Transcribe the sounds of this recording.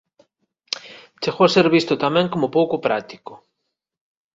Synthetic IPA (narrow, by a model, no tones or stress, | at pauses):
t͡ʃeɣowaseɾβist̪ʊt̪amɛ̃ŋkomʊpowkʊpɾat̪i̥kʊ̥